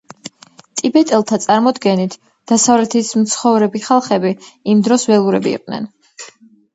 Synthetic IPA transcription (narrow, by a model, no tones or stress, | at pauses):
t̪ʼibɛt̪ʼɛlˠt̪ʰat̪sʼaɾmɔd̪ɡɛnit̪ʰ | d̪̥asavlɛt̪ʰismt̪sʰχɔvɾɛbiχalˠχɛbiimd̪ɾɔsvɛlˠuɾɛbiḭqʼnɛ̰n